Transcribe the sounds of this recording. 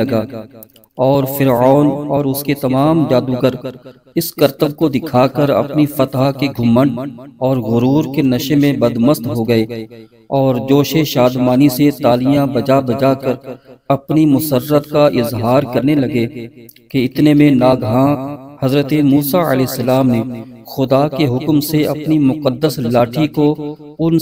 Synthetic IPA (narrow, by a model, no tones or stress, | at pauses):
ɐɡaː | ɔːɾfɪɾɔːnɔːɾʊsket̪ɐmaːmd͡ʒaːd̪uɡəɾ | ɪskɐɾt̪əb̚kod̪ɪkʰaːkəɾɐ̰pnifɐt̪ɦakeɡʱʊ̃mːəɳɔːɾɣʊɾuːɾkenɐʃemẽbɐd̪məst̪ɦoɡɐeː | ɔːɾd͡ʒoːʃeʃaːd̪maːniset̪aːlijãbɐd͡ʒabɐd͡ʒakɐɾɐpnimʊsəɾːət̪kaʔɪzɦaːɾkɐɾnelɐɡe | keɪt̪nemẽnaːɡɦãhɐzɾət̪emuːsaə̰lɛːsːɐlaːmnẽxʊd̪akeɦʊkmseɐpnimʊqəd̪ːəslaːʈʰiko | ʊn